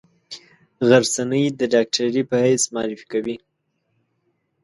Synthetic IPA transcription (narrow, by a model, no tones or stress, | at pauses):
ɣaɾsanəjd̪əɖɑk̚ʈaɾipəhajsmɑɾifi̥kawi